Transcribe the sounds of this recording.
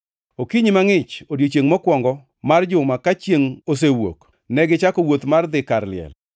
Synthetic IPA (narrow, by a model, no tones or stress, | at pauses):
okiɲimaŋɪt͡ʃodjot͡ʃjeŋmɔkwɔŋɡɔ | mard͡ʒʊmakat͡ʃjeŋos̬ewo̰k | nɛɡɪt͡ʃakɔwot̪mard̪ɪkaɾlɪɛ̰l